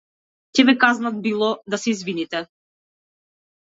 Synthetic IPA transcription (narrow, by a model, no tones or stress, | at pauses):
cɛbɛkaznad̪̚bilˠɔd̪asɛizvinit̪ɛ